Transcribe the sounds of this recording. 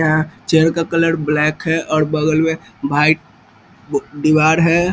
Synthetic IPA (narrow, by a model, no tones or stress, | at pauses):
ɦãt͡ʃɛɾkakələɾblɛkɦɛʔɔːɾbəɡəlmẽbʱaːiʈ | ɖ̪iʋaːɾɦɛ